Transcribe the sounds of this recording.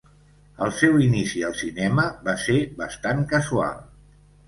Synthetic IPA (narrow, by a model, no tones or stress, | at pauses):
əlˠsɛwinisiəlˠsinɛməβaseβəst̪aŋkəzua̰lˠ